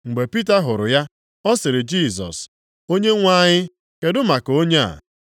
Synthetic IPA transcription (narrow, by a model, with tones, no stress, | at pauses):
ŋ͡m̩˨ɡ͡be˨pi˦ta˦ɦʊ˨ɾʊ˨ja˦ | ɔ˦sɪ˨ɾɪ˨d͡ʒi˦˨sɔ̰˨s | o˦ɲe˦ŋʷa˦ɲɪ˦ | ke˨dʊ˦ma˨ko˦ɲe˦a̰˨